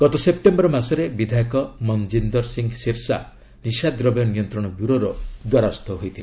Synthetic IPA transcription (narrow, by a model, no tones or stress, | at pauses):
ɡ̥ɔt̪ɔsep̚ʈembɔɾɔmasɔɾebid̪ʱajkɔmɔnd͡ʒind̪ɔɾsiŋɡsiɾsa̰ | nisad̪ɾɔbjɔnijɔnt̪ɾɔɽ̃ɔbjuɾoɾɔd̪wɔɾast̪ʰɔɦojt̪ʰil